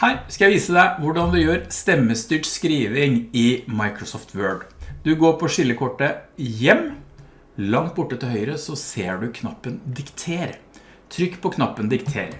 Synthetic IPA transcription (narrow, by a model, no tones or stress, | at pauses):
hæːɾskɑjæɪʋiːsəd̪æɪʋʊɖɑnd̪ʉjøːɾst̪ɛmːəst̪yːʈskɾiːʋɪŋɪmɑɪkɾʊsɔft̪ʰʋøːɖd̪̥ʉɡoːɾpʰɔʂɪlːəkʰɔʈːəjɛmː | lɑŋt̪̚bʊʈːət̪ɪlhœʏɾəsɔseːɖʉkʰnɑpːənd̪ɪkt̪ʰeːɾ | t̪ʰɾʏkːpʰɔkʰnɑpːənd̪ɪkt̪ʰḛːɾ